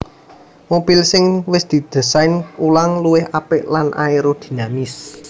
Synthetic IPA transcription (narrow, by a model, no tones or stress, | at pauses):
mob̥ilsɪŋwɪsd̪̥i̤d̪̥ə̤sajnulaŋluwɪhʔapɪʔlanʔa̰eɾod̪̥i̥̤namis